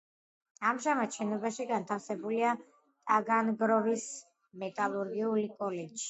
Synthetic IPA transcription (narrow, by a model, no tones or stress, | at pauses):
amʒamat̪ʃɛnɔbaʃiɡant̪ʰafsɛbulia | t̪ʼaɡanɡɾɔvis | mɛt̪ʼalˠuɾɡiulikʼɔlɛd͡ʒʒ̥i̥